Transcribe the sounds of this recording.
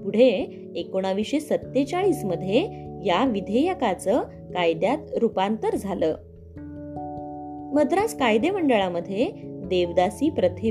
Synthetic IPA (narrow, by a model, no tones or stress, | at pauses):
puɽ̤eː | koɽ̃aʋiʂesət̪ːet͡saɭiːsməd̪ʱːjejaʋid̪ʱejəkat͡səː | kajd̪jat̪ɾupant̪əɾd͡zʱaləː | məd̪ɾat͡skajd̪eməɳɖəɭaməd̪ʱːjed̪eʋd̪asiːpɾət̪ʰe